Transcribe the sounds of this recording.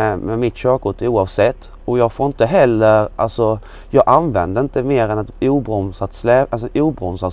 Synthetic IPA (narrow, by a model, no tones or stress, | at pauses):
mɛmɪt̪ɕøːkʊʈ̪uːɑːvsɛt̪ʰː | ɔjɑːɡfoːɾɪnt̪əɦɛlːəɾʔa̰lsɔ | jɑːɡʔanvɛ̰nd̪əɾɪnt̪əmeːɾɛnɛt̪uːbɾɔmsat̪slɛʔɛsuːbɾɔmsa